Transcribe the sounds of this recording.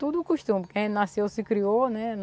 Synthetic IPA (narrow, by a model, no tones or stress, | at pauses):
t̪ud̪ʊukuʃt̪ũmikẽj̃nasewsikɾionɛn